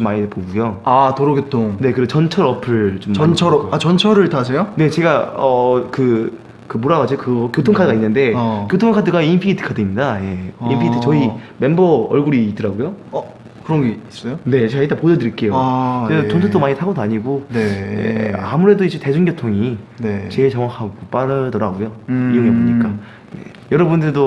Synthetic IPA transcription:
t͡ɕomːaɲipoɡujoatoɾoɡjotʰoŋne̞kɯɾeot͡ɕʌnt͡ɕʰʌɾʌpʰɯɭt͡ɕomːt͡ɕʰʌɾat͡ɕʌnt͡ɕʰʌɾɯɭtasʰejone̞t͡ɕe̞ɡaʌkɯ | kɯmoɾaɡad͡ʑokɯkjotʰoŋkʰadɯɡainːɯnde̞kjotʰoŋkʰadɯɡainpʰiitʰɯ̥kʰadɯimɲidaje̞ḭnpʰiitʰɯt͡ɕʌime̞mbʌʌɭɡuɾiːt͈ɯɾaɡojo | kɯɾʌnɡeis͈ʌjone̞t͡ɕeɡait͈apodʌdɯɾik͈e̞joɾesot͡ɕontʰet͈omaɲitʰaɡodaɲiɡojḛa̰muɾe̞doid͡ʑete̞d͡ʑunɡjotʰoŋinet͡ɕe̞ɭt͡ɕʌŋwakʰaɡop͈aɾɯdʌɾaɡojoijoŋeboɲik͈a | nḛ | jʌɾʌbundɯɭdo

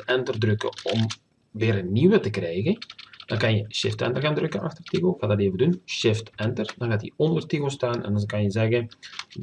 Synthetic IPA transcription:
ɛntərdrøkə̰ɔm | ʋɪːɾənːiwətəkrɛjɣənd̥ɑnkɑnjəʃɪ̰ftɛ̰ntərɣaːndrøkənɑ̰xtərtiɣoxaːdateːvədunʃɪftɛntərdɑnɣaːtḭɔndərtiɣostaːnɛ̰ndɑnkɑnjəzɛɣən

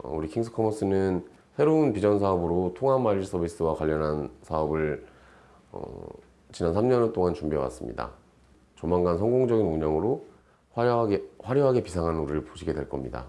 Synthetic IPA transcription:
ʌ̰uɾikʰiŋsʰɯ̥kʰʌmʌs͈ɯnɯn | sʰe̞ɾounpid͡ʑʌns̬ʰaʌbɯɾotʰoŋamaʎis͈ʰʌbis͈ɯwakwaʎːʌnɦansʰaʌbɯɭ | ʌ̰ | t͡ɕinansʰamɲʌnet͈oŋant͡ɕumbiʌwa̰s͈ɯmɲḭda̰ | t͡ɕʌmaŋɡansʰʌŋɡoŋd͡ʑʌɡinuɲʌŋɯɾo | aɡeɸwaɾjoɦaɡe̞pisʰaŋɦannuɾɯɭpoɕʰiɡe̞dwe̞ɭk͈ʌmɲida̰

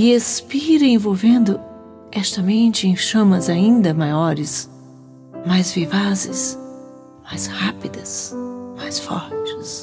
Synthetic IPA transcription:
ɪespiɾɐ̃ẽvowvẽnd̪ʊ | ɛst̪ɐmẽnt͡ʃɪẽj̃ʃɐ̃mɐzaĩnd̪ɐmajɔɾɪs | majzvivazɪs | majshapid̪ɐsmajsfɔ̰ɾt͡ʃɪ̥s

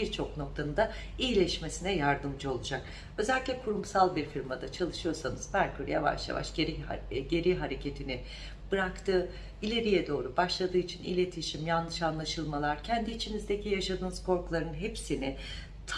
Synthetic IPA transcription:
iɾt͡ʃʰo̞k̚no̞k̚t̪ʰanɯnd̪a | iilʲɛʃme̞sinɛjaɾd̪ɯmd͡ʒɯo̞lˠud͡ʒak̚ | ø̞zɛlʲiclʲɛkʰuɾumsalˠbiɾfiɾmad̪at͡ʃʰalˠɯʃɯjo̞ɾsanɯz̥bæɾkʰyɾija̰va̰ʃja̰va̰ʃɟeɾiɟe̞ɾiɦaɾe̞cʰe̞t̪ʰinɪ | b̥ɯɾakt̪ʰɯː | ilʲe̞ɾijɛd̪o̞ːɾubaʃlˠad̪ɯːit͡ʃʰinḭlʲe̞t̪ʰiʃimjanlːˠɯʃanlˠaʃɯlˠmalˠaɾcʰɛnd̪iːt͡ʃʰinizd̪e̞cʰijaʃad̪ɯːnɯz̥kʰo̞ɾkʰulˠaɾɯnɦepsinɪ | t̪ʰ

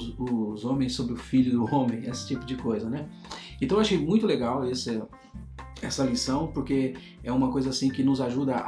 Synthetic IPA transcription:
ʊzõmẽj̃sobɾɪʊfiʎʊd̪ʊõmẽj̃esɪ̥t͡ʃipʊd͡ʒɪkojzɐnɛ | ẽt̪ɐ̃w̃eaʃejmũj̃t̪ʊleɡawesɪ | ɛsɐlisɐ̃w̃poɾke | ɛũmɐkojzɐasĩkɪnʊzaʒud̪ɐ̰

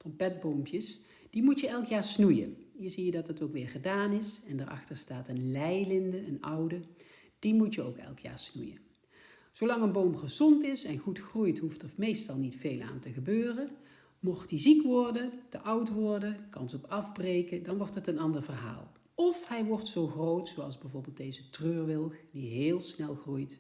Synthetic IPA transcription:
trɔmpɛd̚bowmpjəs | d̥imutjəɛlˠkjaːɹsnujə̰nəzijədɑtɦətowkʋɪːɹχədaːnɪsɛndəɹɑ̰xtəɹstaːtənlɛjlɪndəənʌwdə | d̥imutjəo̰wkɛ̰lˠkja̰ːɹsnujə̰ | z̥owlɑŋənbowmχəzɔntɪsɛnxutxrujtɦuftəfmejstɑlˠnitfejla̰ːntəɣəbøːrə | mɔχtizikʋɔrdətəʔʌwtʋɔɹdəkɑnsɔpɑvbrejkədɑnʋɔɹtɦətənɑndəɹvərɦa̰ːlˠ | ɔfhɛjʋɔɹtsowχrowtsowɑlˠzbɛjvʊːɹbɪːlˠtdejzətrøːɹʋɪlˠkdiɦɪːlˠsnɛlˠχrujt

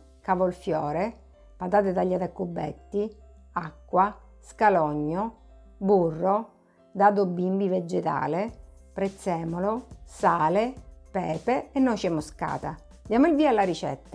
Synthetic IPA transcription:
kavolfjɔːɾe | pat̪aːt̪ed̪aʎːad̪akːubːɛ̰t̪ːi | akːwa | skalɔɲːoburːo | d̪aːd̪obimbived͡ʒːet̪a̰ːle | pɾɛt̪sːɛːmolosaːlepɛːpeːnːɔʃɛmːoska̰ːt̪a | d̪jaːmoilviːalːaɾit͡ʃɛ̰t̪ːa

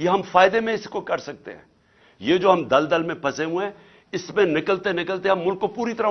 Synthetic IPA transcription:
jeɦɐmfaːɪd̪emẽɪskokɐɾsɐk̚t̪ḛɦɛ̰̃ː | jeːd͡ʒoːɦɐmd̪ɐld̪əlmẽpɐseɦũɛ̃ | ɪsmẽnɪkəlt̪enɪkəlt̪eɦɐmːʊlkːopuːɾit̪ɐɾa

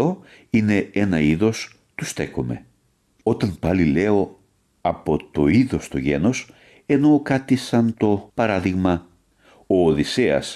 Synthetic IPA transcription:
o̞ | ine̞enɐiðo̞s | t̪ust̪e̞ko̞me̞̰ | o̞t̪ɐnpɐlile̞o̞ | ɐpo̞t̪o̞iðo̞st̪oʝe̞no̞s | e̞no̞kɐt̪isɐnt̪o̞pɐɾɐðiɣmɐ | o̞ːðiseɐ̰s

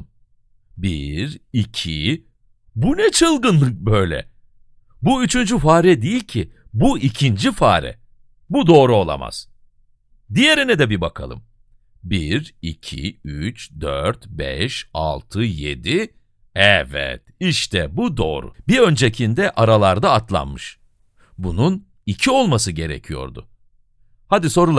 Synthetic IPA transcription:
biɾicʰi | bunɛt͡ʃʰɯlˠɡɯnlˠɯk̚bø̞jlʲɛ̰ | buyt͡ʃʰynd͡ʒyfaːɾɛd̪ejilʲcʰibuicʰind͡ʒifaːɾɛ̰ | bud̪o̞ːɾuo̞lˠa̰ma̰z̥ | d̪ije̞ɾinɛd̪ɛbibakʰa̰lˠɯ̰m | biɾicʰḭyt͡ʃd̪øɾt̪bɛʃa̰lˠt̪ʰɯjḛd̪i | ɛvɛ̰t̪iʃt̪ʰɛbud̪o̞̰ːɾʊ̰biø̞nd͡ʒecʰind̪ɛʔaɾalˠaɾd̪aːt̪lˠa̰nmɯʃ | bunun | icʰio̞lˠmasɯɟe̞ɾḛcʰijo̞̰ɾd̪ʊ̰ | had̪iso̞ɾulˠa

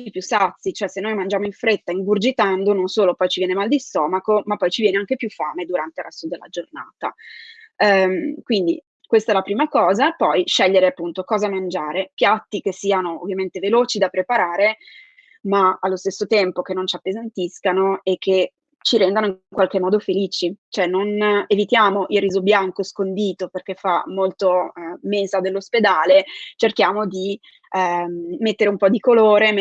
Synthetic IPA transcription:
ipjusːat̪sːit͡ʃoɛsenːojmand͡ʒaːmoiɱfɾet̪ːaiŋɡurd͡ʒit̪and̪ononsoːlopɔjt͡ʃivjɛnemald̪ist̪ɔːmakomapːɔjt͡ʃivjɛːneaŋk̟epjufːaːmed̪uɾant̪elɾasud̪elːa̰d͡ʒorna̰ːt̪a̰ | mkwind̪ḭ | kwest̪aɛlapɾiːmakɔːzapɔjʃɛʎːeɾeapːunt̪okɔːzamand͡ʒaːɾepjat̪ːik̟esːiːanoo̰vːjament̪eveloːt͡ʃid̪apɾepaɾaːɾe | maalːost̪esːot̪ɛmpokenːont͡ʃiapːezant̪iskanoek̟ːe | t͡ʃiɾɛnd̪anoiŋkwalk̟emːɔːd̪ofeliːt͡ʃit͡ʃoɛnːonevit̪jaːmoʔilriːzobjaŋkoskond̪iːt̪operk̟efamːolt̪omezad̪elːosped̪aːlet͡ʃerk̟jaːmod̪i | et̪ːeɾeumpɔd̪ikoloːɾe

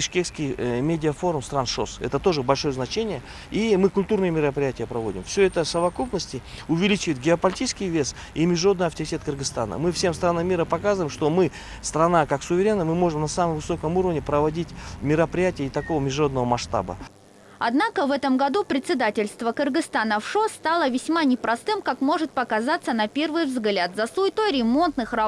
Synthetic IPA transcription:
bʲɪʂkʲekskʲɪjmʲedʲɪəfo̞ɾʊmst̪ɾanʂo̞̰sɛ̰t̪ət̪o̞ʐɨbɐlʲʂo̞jəznɐt͡ɕenʲɪjə | imɨkʊlʲt̪urnɨjəmʲɪɾəpɾʲɪjætʲɪjəpɾɐvo̞dʲɪmfsʲɵɛt̪əsəvɐkupnəsʲtʲɪʊvʲɪlʲit͡ɕɪvəjɪt̪̚ɡʲɪɐpɐlʲɪtʲit͡ɕskʲɪjvʲe̞s | imʲɪʐɾo̞d̪nɨjɐft̪əɾʲɪtʲe̞t̪̚kɨrɡɨst̪anə̰mɨfsʲe̞mst̪ɾanamʲːiɾəpɐkazəvəɪmʂt̪o̞mɨ | st̪ɾɐnakaksʊvʲɪɾʲe̞nːəjmɨmo̞ʐɨmnɐsamɨmvɨso̞kəmuɾəvnʲɪpɾəvɐdʲitʲmʲɪɾəpɾʲɪjætʲɪjəɪt̪ɐkovəmʲɪʐo̞d̪nəvəmɐʂt̪a̰bə̰ | ɐ̰d̪nakəvɛt̪əmɡɐd̪upɾʲɪt̪sʲɪd̪atʲɪlʲst̪vəkɨrɡɨst̪anəfʂo̞st̪alˠəvʲɪsʲmanʲɪpɾɐst̪ɨmkakmo̞ʐɨt̪̚pəkazat̪sənɐpʲe̞rvɨjvzɡlʲat̪zɐsujt̪o̞jɾʲɪmo̞nt̪nɨxrɐ

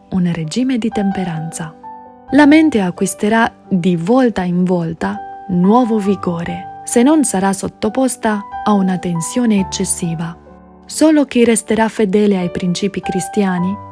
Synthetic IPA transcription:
unred͡ʒiːmed̪it̪empeɾant̪sa | lament̪eakwist̪eɾa | d̪ivɔlt̪aiɱvɔlt̪anwɔːvoviɡoːɾesenːonsaɾasːot̪ːopɔst̪aːunat̪ensjɔːneːt͡ʃːesːiːva | soːlok̟irest̪eɾafːed̪ɛːleajpɾint͡ʃiːpikɾist̪jaːni

